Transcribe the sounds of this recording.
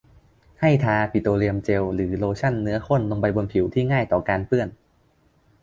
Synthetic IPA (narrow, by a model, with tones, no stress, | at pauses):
ha˥˩jt̪ʰaː˧pʰi˨˩t̪oː˧ɾi˧əmt͡ɕe˧wɾɯː˩˦loː˧t͡ɕʰa˥˩nːɯ˦˥ɐkʰo˥˩nlo˧ŋpa˧jbo˧npʰi˩˦wt̪ʰiː˥˩ŋaː˥˩jt̪ɔː˨˩kaː˧npɯ˥˩ən